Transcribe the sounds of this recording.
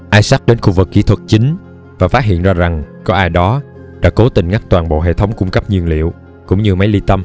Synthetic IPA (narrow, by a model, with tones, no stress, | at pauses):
ʔaː˧jsa˦˥t̚ɗe˨˦nxu˧vɨ˨˩kːḭ˧˥t̪ʰwə˨˩t̚t͡ɕï˨˦ŋ̟ | vaː˨˩faː˦˥t̚ɦḭ˧˨ənzaː˧za˨˩ŋkɔ˨˦ʔaː˧jɗɔ˨˦ | ɗa̰ː˧˥ko˨˦t̪ï˨˩ŋ̟ŋa˦˥k̚t̪waː˨˩nɓo̰˧˨ɦḛ˧˨t̪ʰə˨˦wŋ͡mkʊ˧ŋ͡mkə˦˥p̚ɲi˧˩ənlḭ˧˨əw | kʊ̰˧˥ŋ͡mɲɨ˧ma˨˦jli˧t̪ə˧m